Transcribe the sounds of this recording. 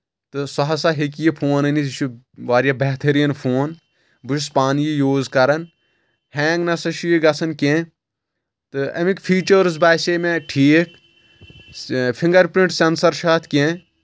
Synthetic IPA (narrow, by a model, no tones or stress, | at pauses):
t̪ɨsɐɦɐsaɦek̬ijipʰoːnɐniʃʰu | ʋaːɾjɐbeɦt̪ʰɐɾijɐnpʰoːn | bɨt͡ʃspaːnijijoːzkɐɾɐn | heːŋɡnɐsɐʃiːɡɐsɐnkʲẽ | t̪ɨɐ̰mikfʰiːt͡ʃəɾzbaːseːmeʈʰiːk | fʰĩŋɡɐɾpɾĩɳʈsɐnsɐɾʃaːt̪ʰkʲẽ